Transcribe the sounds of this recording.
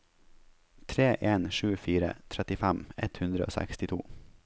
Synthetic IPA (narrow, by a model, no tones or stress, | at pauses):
t̪ʰɾeːʔeːnʃʉːfiːɾə̰t̪ʰɾæt̪ɪfæmɛt̪hʉnd̪ɾəo̰ːsæ̰kst̪ɪt̪ʰṵː